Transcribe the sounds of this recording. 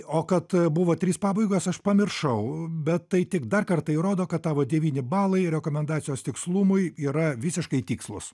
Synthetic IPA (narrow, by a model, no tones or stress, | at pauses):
oːkɐt̪bʊʋoːt̪ʲɾʲiːspɑːbɐɪɡoːsɐʃpɐmʲɪrʃɐʊbʲɛt̪tɐɪt̪ʲɪkd̪ɐrkɐrt̪ɐɪɾoːd̪oːkɐt̪̚t̪ɑːʋoːd̪ʲɛʋʲiːnʲɪbɑːlˠɐɪɾʲɛkoːmʲɛnd̪ɑːt̪sʲɪjoːst̪ʲɪkslˠumʊɪiːɾɐʋʲɪsʲɪʃkɐɪt̪ʲiːkslˠʊ̰s